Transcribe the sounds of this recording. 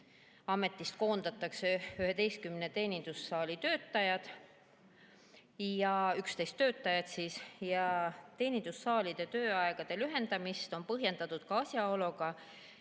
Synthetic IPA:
ɑme̞t̪ːˑist̪ko̞ːnd̪̥ɑt̪ːˑɑkseyɦe̞t̪e̞jskymnet̪e̞ːnʲind̪̥usːɑːlit̪ø̞ːt̪ːˑɑjɑd̪̥ | jɑykst̪e̞jst̪ːø̞ːt̪ˑːɑjɑt̪siːsjɑt̪e̞ːnind̪usːɑːlid̪̥e̞t̪ø̞ːɑeɡ̥ɑd̪̥e̞lyɦe̞nd̪̥ɑmist̪o̞npɤɦje̞nd̪ɑt̪ˑud̪̥̚kɑɑsʲjɑo̞loɡ̥ɑ

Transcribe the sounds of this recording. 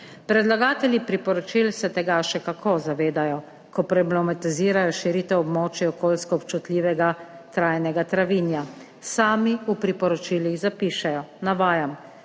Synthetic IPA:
pɾɛd̪laɡaːt̪ɛljipɾipɔɾɔt͡ʃilsɛt̪ɛɡaʃɛkakʰozaʋeːd̪ajɔ | kɔpɾɛblɛmat̪iziːɾajɔʃiɾit̪ɛwɔbmɔːt͡ʃiɔkoːlskɔːpt͡ʃut̪lʲiːʋɛɡa | t̪ɾaːjnɛɡat̪ɾaʋinja | saːmiupɾipɔɾɔt͡ʃiliɣzapiːʃɛjɔnaʋaːjam

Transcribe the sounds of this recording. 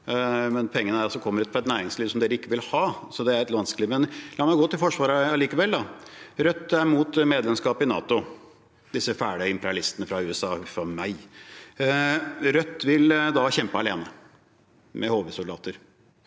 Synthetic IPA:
mɛnpʰɔɛŋːənəæɾɑsɔkʰɔmːəɾʉt̪pʰɔɛt̪næːɾɪŋsliːʋsɔmd̪eːɾəɪkːəʋɪlhɑːsɔd̪ɛæɾɛt̪ʋɑnskliʋmɛnlɑːɾmæɡoːt̪ɪlfɔʂʋɑːɾəɑliːkəʋɛld̪ɑɾœt̪ːæɾmuːt̪meːd̪lɛmskɑːpɪnɑ̰ːt̪ʊ | d̪ɪsːəfæːɖɪɪmpəɾɪɑlɪst̪ənəfɾɑʉːɛsɑːfɾɑmæɪ | ɾœt̪ːʋɪld̪ɑçɛmpəɑleːnə | mʔɛhoːʋəsʊld̪ɑ̰ːt̪əɾ

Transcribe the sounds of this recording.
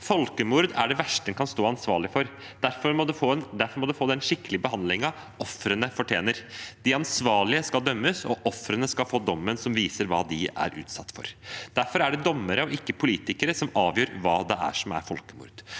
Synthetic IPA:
fɔlkəmuɾd̪æɖɛʋæʂʈəɛnkʰɑnst̪oːɑnsʋɑːɭɪfɔɾ | d̪̥æɾfɔɾmɔd̪ʉod̪æɾfɔɾmɔd̪ʉfoːd̪ɛɛnʂɪkːəlɪbəhɑnd̪lɪŋɑ | ɔfɾənəfɔʈʰjḛːnəɾd̪̥ɪɑnsʋɑːɭɪəskɑld̪œmːəsɔ̰ʔɔfɾənəskɑlfoːd̪ɔmːənsɔmʋiːsəɾʋɑːd̪ɪæ̰ɾʔʉ̰ːt̪sɑt̪ːfɔ̰ɾd̪̥æɾfɔɾæɖɛd̪ɔmːəɾəɔʔɪkːəpʰʊliːt̪ɪkəɾəsɔmɑːʋjøːɾʋɑːd̪ɛʔæ̰ʂɔmæ̰ɾfɔlkəmʊ̰ːɾd̪̥

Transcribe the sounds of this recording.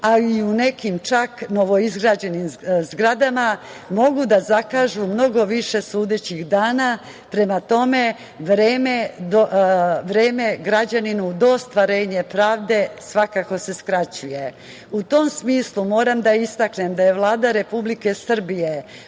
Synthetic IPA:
aiune̞kimt͡ʃakno̞ʋo̞izɡɾad͡ʑe̞nimzɡɾad̪ama | mo̞ɡud̪azakaːʒumno̞ɡo̞ʋiʃe̞suːd̪et͡ɕiɣd̪aːna | pɾe̞mat̪o̞me̞ | ʋɾeːmed̪oʋɾeːme̞ɡɾad͡ʑaninud̪o̞ːst̪ʋaɾe̞ːɲe̞pɾaːʋd̪e̞sʋakako̞se̞skɾat͡ɕuje̞ | ut̪o̞msmiːslˠumo̞ːɾamd̪aist̪akne̞md̪aje̞ʋlˠaːd̪aɾe̞publike̞sr̩bije

